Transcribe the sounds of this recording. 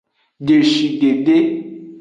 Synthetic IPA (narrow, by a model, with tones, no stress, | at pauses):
ɖe˨ʃi˨ɖe˨ɖe˦